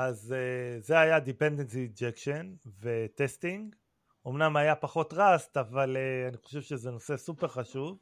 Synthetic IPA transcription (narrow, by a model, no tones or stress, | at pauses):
azeze̞ajad̪ipend̪ensid͡ʒekʃonvet̪est̪iŋɡ | o̞mnamajapaχo̞tʁast̪avaleaniχoʃevʃezeno̞se̞supe̞ʁχaʃuv